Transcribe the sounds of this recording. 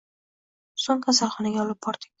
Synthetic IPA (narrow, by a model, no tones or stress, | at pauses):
soŋkʰasalˠχɒnaɡʲaɒlˠɪp̚bɒɾd̪ɪkʲ